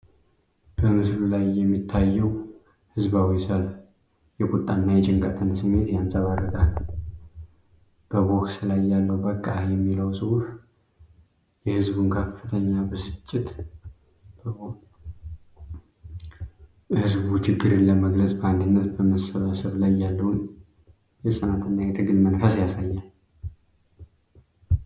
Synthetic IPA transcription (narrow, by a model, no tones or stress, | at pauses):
b̥əmɨslulajːɛmːit̪ʰːajːɛw | hɨzβawisal | jɛkʼut̪ʼːanːajɛt͡ʃʼɪŋɡat̪ʰɨnsɨmet̪jansʼəβarːəd̪ʰʼal | b̥əβohsɨlajːalːəwbəkʼːajɛmːiləwsʼɨhof | jɛhɨzbunkʰəfːɨt̪ʰəɲːabəsɨt͡ʃʼːɪt̪ | hɨzbut͡ʃɪɡːɨɾɨnləməɡləsʼbəand̪ɨnːət̪bəməsəβasəβlajːalːəwun | jɛsʼɨnat̪ʰɨnːajɛt̪ʰɨɡɨnmənfəsjasajːal